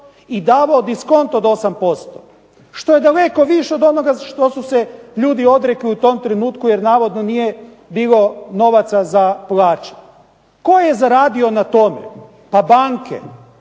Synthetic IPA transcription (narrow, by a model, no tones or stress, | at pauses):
id̪aːʋaod̪isko̞nt̪o̞d̪o̞sampo̞st̪o̥ | ʃt̪o̞je̞d̪aleko̞ʋiʃeo̞d̪o̞no̞ɡaʃt̪o̞suseʎuːd̪io̞d̪ɾekliut̪o̞mt̪ɾenuːt̪kujeɾnaːʋo̞d̪no̞nije | biːlˠo̞no̞ʋat̪sazaplaːt͡ʃe̥ | ko̞jjezaɾaːd̪io̞nat̪o̞mḛ | pabaːŋkʰḛ